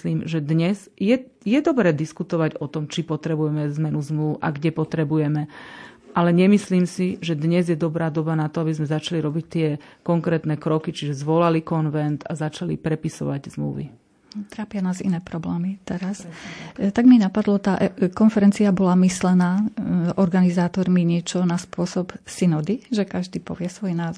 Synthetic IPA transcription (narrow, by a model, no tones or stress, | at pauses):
liːmʒɛd̪ɲɛz | jɛ | jɛd̪ɔbɾɛːd̪iskut̪ɔʋaɟɔt̪ɔmt͡ʃipɔt̪ɾɛbujɛmɛzmɛnuzmluʊʔa̰ɡɟɛpɔt̪ɾɛbujɛmɛ | ʔalɛɲɛmisliːmsiʒɛd̪ɲɛzjɛd̪ɔbɾaːd̪ɔbanat̪ɔabizmɛzat͡ʃaliɾɔbict̪ɪɛkɔŋkɾɛːt̪nɛkɾɔkit͡ʃiʒɛzʋɔlalikɔnʋɛnt̪azat͡ʃalḭpɾɛpisɔ̰ʋaɟzmlṵʋḭ | t̪ɾaːpɪanaːzḭnɛːpɾɔblɛːmit̪ɛɾast̪aɡminapad̪lɔt̪aʔkɔnfɛɾɛnt͡siabɔlamislɛnaːʔɔɾɡanizaːt̪ɔɾmiɲɪɛt͡ʃɔnaspʊɔsɔpsinɔd̪iʒɛkaʒd̪iːpɔ̰ʋɪɛsʋɔjnaːz